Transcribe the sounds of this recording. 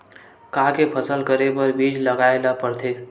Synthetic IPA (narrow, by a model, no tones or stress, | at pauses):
kaɦkepʰəsəlkəɾepəɾbid͡ʒləɡaelapəɾt̪ʰek